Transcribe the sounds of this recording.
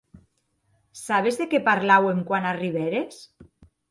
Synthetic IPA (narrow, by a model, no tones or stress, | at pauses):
saβ̞ezðekepaɾlaweŋkwanariβ̞eɾes